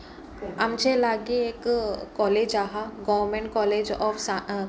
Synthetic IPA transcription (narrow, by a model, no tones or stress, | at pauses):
amt͡ʃelaɡiekːɔːleːd͡ʒaɦaɡɔʋɾmẽɳʈ̚kɔːled͡ʒɔːfsa